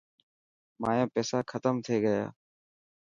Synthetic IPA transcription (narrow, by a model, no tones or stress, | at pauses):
maːjãːpɛːsaːkʰət̪əmt̪ʰeːɡəja̰ː